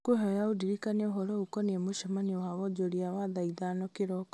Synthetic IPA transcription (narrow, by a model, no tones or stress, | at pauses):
koɦɔjaodiɾikanɛoɦɔɾɔukɔnemoʃamanewaβɔd͡ʑoɾiawaðaiðanɔkeɾɔk